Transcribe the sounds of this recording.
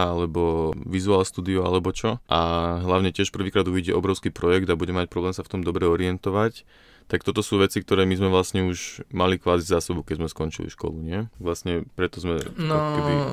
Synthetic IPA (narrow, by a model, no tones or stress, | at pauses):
alɛbɔʋizuaːlst̪uːd̪iɔa̰lɛbɔt͡ʃɔʔaɦlaʊɲɛcɪɛʃpr̩ʋiːkɾaːd̪uiɟɛʔɔbɾɔʊskipɾɔjɛɡd̪abuɟɛmɛmac̚pɾɔblɛːmsaft̪ɔmd̪ɔbɾɛɔɾiɛnt̪ɔʋac | t̪ak̚t̪ɔt̪ɔsuːʋɛt͡sik̚t̪ɔɾɛːmizmɛʋlasɲɛuʒmalikʋaːzizaːsɔbukɛɟzmɛskɔnt͡ʃḭlḭʃkɔ̰luɲɪɛʋlasɲɛpɾɛt̪ɔzmɛnɔi